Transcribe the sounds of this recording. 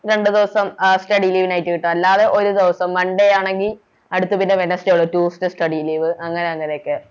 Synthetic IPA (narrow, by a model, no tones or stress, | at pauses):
ɾe̞ɳɖɨd̪iʋɐsɐmsʈɐɽiliːʋinaːjitːɨkiʈːumɐlːaːðe̞ʔo̞ɾud̪iʋɐsɐmʋɐɳɖejaːɳe̞ŋɡil | ɐɽut̪ːɨpinːeʋenɐstɐoɭːɐtuːstɨsʈɐɽiliːʋɨɐŋːɐneɐŋːɐne̞jokːe